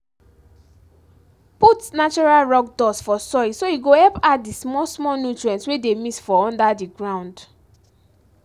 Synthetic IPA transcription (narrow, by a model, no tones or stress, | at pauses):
putnat͡ʃɔɹalɹɔk̚dɔsfɔsɔisoiɡohɛlpat̚dismɔsmɔnutɹɛ̃nswedemisfɔɔ̃ndadiɡɹãʊ̃nd